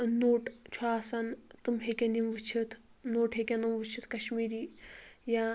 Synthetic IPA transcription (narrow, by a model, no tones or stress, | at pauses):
noːʈt͡ʃʰaːsɐnt̪ɨmɦekʲenimʋɨt͡ʃʰit̪ʰ | noːʈɦekʲenɐmʋɨt͡ʃʰit̪ʰkɐʃmiːɾiːja